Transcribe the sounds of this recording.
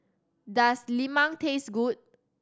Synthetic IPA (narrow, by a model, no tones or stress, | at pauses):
daslimãŋtʰesɡut̚